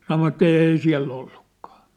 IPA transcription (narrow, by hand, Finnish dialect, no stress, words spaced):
sɑnoʋɑtˑ eˑi siæ̝lː olːukːɑ̥ː